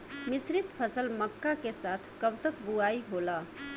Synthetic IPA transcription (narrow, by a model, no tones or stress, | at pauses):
misɾit̪pʰəsəlməkːakesat̪ʰkəbt̪əkbuaiɦolʌ